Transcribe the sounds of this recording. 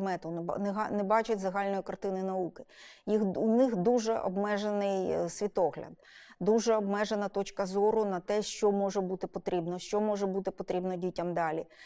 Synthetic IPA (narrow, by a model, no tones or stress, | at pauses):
mɛt̪ʊnnɛɦɑnɛbɑt͡ʃɪtʲzɐɦɑlʲnɔjikɐrt̪ɪnɪnɐukɪ̥jixunɪxd̪uʒɛʔɔ̰bmɛʒenɪjsʲʋʲit̪ɔɦlʲɐ̰d̪̚ | d̪uʒɛɔbmɛʒenɐt̪ɔt͡ʃkɐzɔɾʊnɐt̪ɛʃt͡ʃɔmɔʒɛbut̪ɪpɔt̪ɾʲʔibnɔʃt͡ʃɔmɔʒɛbut̪ɪpɔt̪ɾʲibnɔdʲitʲːɐmd̪ɑlʲi